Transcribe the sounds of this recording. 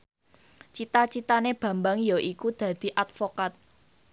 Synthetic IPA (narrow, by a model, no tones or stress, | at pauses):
t͡ʃit̪at͡ʃit̪aneb̥a̤mbaŋjaʔikud̪̥ä̤d̪̥i̤ʔat̪̚fokat̪̚